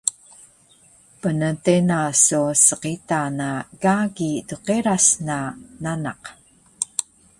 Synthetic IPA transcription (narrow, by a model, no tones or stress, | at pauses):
pənətenasusəqitanaɡaɡiduqeɾasnananaq